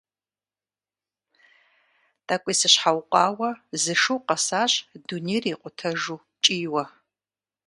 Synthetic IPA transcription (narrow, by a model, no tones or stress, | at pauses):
tʼakʷʼiːsɨɕħawqʷʼɑːwɐzɨʂuwqɐsaːɕʼdunejriːqʷʊtʰɐʒuː | t͡ʃʼiːwɐ